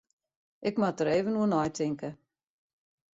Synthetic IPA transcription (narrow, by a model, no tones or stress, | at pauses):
ʔɪkmat̚dəɾeːvənuənɔjtʰɪŋkə